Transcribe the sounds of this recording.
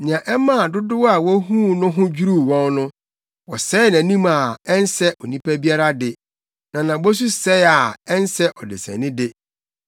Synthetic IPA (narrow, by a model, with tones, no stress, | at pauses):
ɲã˨ʔɛ˦mã˦˨dʊ˦dʊ˦wa˨wɔ˦ɦũ˦nʊ̃˦ɦʊ̃˦d͡ʑᶣu˦ɾu˦˨wɔ̃˦nnʊ̃˦ | wɔ˨sɛ˦nã˨nĩ˦ma˨ɛ˦n˦sɛ˦ʔɔ˨nĩ˦pʰæ˦bi˦a˦ɾa˦dɪ˦ | nã˨nã˨bɔ˦s̬u˦sɛ˦a˨ɛ˦n˦sɛ˦ʔɔ˨dɪ̰˨sɛ̰̃˨nɪ̃˦dɪ˦